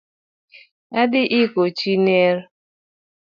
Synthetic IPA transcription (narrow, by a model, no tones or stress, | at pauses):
adɪʔɪkot͡ʃineɾ